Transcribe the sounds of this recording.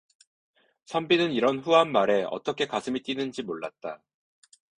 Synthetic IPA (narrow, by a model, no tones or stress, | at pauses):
sʰʌmbinɯniɾʌnɸuɦanmaɾe̞ʌ̰t͈ʌkʰe̞kasʰɯmit͈inɯnd͡ʑimoɭːat̚t͈a